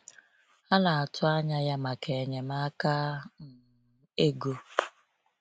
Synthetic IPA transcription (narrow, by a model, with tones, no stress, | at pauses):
a˦na˨a˨tʰʊ˦a˦ɲa˦ja˦ma˨ke˨ɲe˨ma˦ka˦m̩˨˦ | e˦ɡo˦